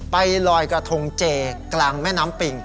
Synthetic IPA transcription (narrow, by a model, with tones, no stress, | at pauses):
pa˧jlɔː˧jkɾa˧t̪ʰo˧ŋt͡ɕeː˧klaː˧ŋmɛː˥˩˨naː˦˥mpi˧˩ŋ